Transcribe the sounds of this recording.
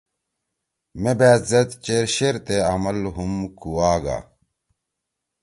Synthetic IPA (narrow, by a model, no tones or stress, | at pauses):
mebæːzɐt̪t͡ɕeɾɕeɾt̪eɐmɐlɦumkuwaːɡa̰